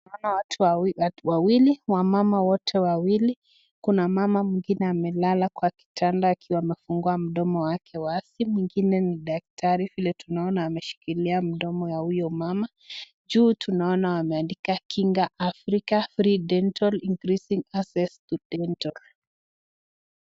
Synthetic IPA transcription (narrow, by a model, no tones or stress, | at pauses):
aɔnawatʰuawawiliwamamawɔtʰɛwawili | kunamamamwiŋɡinɛamɛlalakwaki̥tʰandaːkʰiwaːmɛfuŋɡuam̩ɗɔmɔwakʰɛwasimwiŋɡinɛniɗak̚tʰaɾivilɛtunaɔnaːmɛʃi̥kiliam̩ɗɔmɔwahujɔmama | d͡ʒuːtʰunaɔnawamɛandikakʰiŋɡaʔafɾikafɾiɗɛntɔliŋɡɾisiŋasɛstudɛntɔl